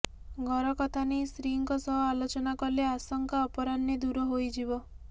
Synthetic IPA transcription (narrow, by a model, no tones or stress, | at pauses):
ɡʱɔɾɔkɔt̪ʰanesɾiŋkɔsɔɦɔalot͡ʃɔnakɔleasɔŋkaɔpɔɾanːed̪uɾɔɦojd͡ʒibɔ